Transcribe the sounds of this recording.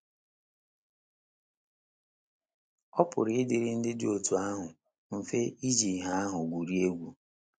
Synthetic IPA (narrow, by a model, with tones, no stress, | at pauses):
ɔ˦pʊ̰˨ɾɪ˨ɪ˦dɪ˨ɾɪ˦n̩˦dɪ˦dɪ˦o˨tu˨a˦ɦʊ˨ | m̩˨fe˦i˦d͡ʒi˨ɦa˦a˦ɦʊ˨ɡʷu˨ɾi˦e˦ɡʷu˨